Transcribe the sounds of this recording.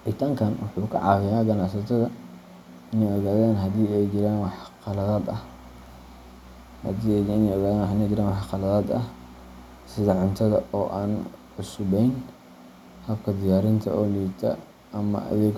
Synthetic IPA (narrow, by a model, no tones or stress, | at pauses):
ʔɪt̪ʰaːŋkʰɐnwɑħuːkʰɐ̰ʕɑ̰ːɣɪjaːɡɐnɑʕsɐt̪ʰɐðɐ | ɪnɛjɔɣaːðaːnɦɐðiːɛjd͡ʒɪɾaːnwɑħqɑlɐðaːd̪ɐh | hɐ̰d̪iːɪnɛjɔɣaːðaːnwħɪnɛd͡ʒɪɾaːnwɑħqɑlɐðaːd̪ɐ̰h | sɪðɐʕʊnt̪ʰɐðɐɔːʔaːnʕʊsʊbɛjn | hɐb̚kʰɐd̪ɪjaːɾɪnt̪ʰɐ̰ʔɔːliːbt̪ʰɐ̰ | ʔɐmɐ̰ʔɐ̰ðɛːɡ